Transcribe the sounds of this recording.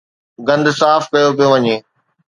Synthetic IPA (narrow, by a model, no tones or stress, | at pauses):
ɡɐ̃nd̪saːfkɐjopijoʋɐɲeː